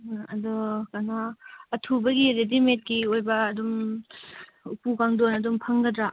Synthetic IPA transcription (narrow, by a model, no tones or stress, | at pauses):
ɐdɔkanaːtʰubɐɡiɾedimet̚ɡiojbɐːdum | upukaŋdonɐdumpʰɐŋɡɐdɾa